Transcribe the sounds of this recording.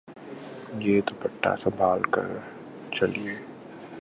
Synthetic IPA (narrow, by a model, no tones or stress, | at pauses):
jeːt̪obɐʈːa̰sɐ̃bʱaːlkɐ̰ɾ | t͡ʃɐlieː